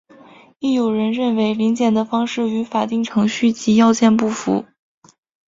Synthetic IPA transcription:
i˥˩jo˨˩ʊɻə˧˥nɻə˥˩nwe˧˥ɪli˧˥nt͡ɕjɛ˨˩nd̪ə˦fɑ˥ŋʂɻ̩˥˩y˧˥fa˨˩t̪i˥˩ŋʈ͡ʂʰɤ˧˥ŋɕy˥˩t͡ɕi˧˥jɑ˥˧ʊt͡ɕjɛ˥˧npu˥˩fṵ˧˥

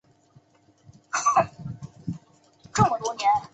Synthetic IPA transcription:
ʈ͡ʂɤ˥˩ŋmə˩t̪wnjɛ˧˥n

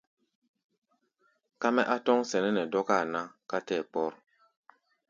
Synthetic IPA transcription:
ka˦mɛ˦ʔa˦tɔ˦ŋsɛ˨nɛ˦nɛ˨dɔ˦ka˦˨na˦ka˦tɛ˦˨pɔ˦ɾ

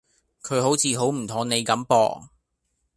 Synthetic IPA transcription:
kʰɵ˨˧ɥɦo˨˥wt͡sʰiː˨˧ɦo˨˥wm̩˨˩t̪ʰo˨˥ŋne˨˧jkɐ˨˥mpɔ̰ː˨ŋ

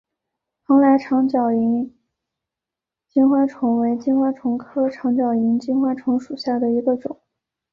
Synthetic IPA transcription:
fʰɑ˧˥ŋla˧˥ɪʈ͡ʂʰɑ˧˥ŋt͡ɕjɑ˨˩ʊi˧˥n | t͡ɕi˥nxwa˥ʈ͡ʂʰʊ˧˥ŋwe˧˥ɪt͡ɕi˥nxwa˥ʈ͡ʂʰʊ˧˥ŋkʰɤ˥ʈ͡ʂʰɑ˧˥ŋt͡ɕjɑ˨˩ʊi˧˥nt͡ɕi˥nxwa˥ʈ͡ʂʰʊ˧˥ŋʂu˨˩ɕja˥˩d̪ə˩i˧˥ɡə˧ʈ͡ʂʊ˨˩˦ŋ˦

